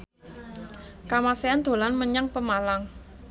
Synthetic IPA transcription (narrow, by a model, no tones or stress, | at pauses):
kamaseand̪̥o̤lanməɲaŋpəmalaŋ